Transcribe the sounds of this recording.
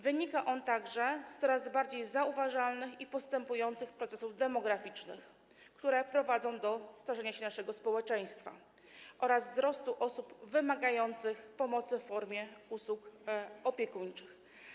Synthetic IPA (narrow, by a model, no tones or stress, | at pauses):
vɘɲikaʔɔnt̪aɡʐɛst̪ɔɾazbaɾd͡ʑejzauvaʐalnɘxipɔst̪ɛmpujɔnt̪sɘxpɾɔt̪sɛsuvd̪ɛmɔɡɾafʲit͡ʂnɘ̰x | kt̪uɾɛpɾɔvad̪zɔ̃w̃d̪ɔst̪aʐɛɲaɕɛnaʂɛɡɔspɔwɛt͡ʂɛj̃st̪fa̰ | ʔɔɾazzɾɔst̪uʔɔsupvɘmaɡajɔnt̪sɘxpɔmɔt̪sɘffɔɾmʲjɛuswukɔpʲjɛkuɲt͡ʂɘx